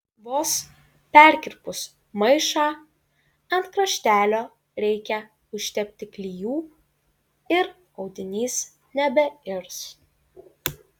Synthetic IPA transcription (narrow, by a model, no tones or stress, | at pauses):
ʋoːs | pʲæɾʲkʲɪɾʲpʊs | mɐɪʃɑː | ɐ̃nt̪kɾɐʃʲt̪ʲæːlʲoː | ɾʲɛɪkʲɛ | ʊʃʲt̪ʲɛpʲt̪ʲɪklʲijuː | ɪɾ | ɒʊd̪ʲɪnʲiːs | nʲɛbʲɛɪɾs